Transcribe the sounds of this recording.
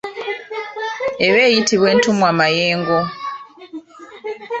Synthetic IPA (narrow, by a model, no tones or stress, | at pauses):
eβeːjitiβwe̞ːntumwamajeːŋɡo